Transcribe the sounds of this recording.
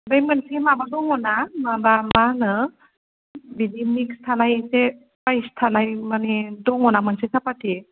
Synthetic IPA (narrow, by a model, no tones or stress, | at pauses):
bajmɯnsimabadɔŋɔnamabamanɯ | bidimikstʰanajse | pajstʰanajmanidɔŋɔnamansesapati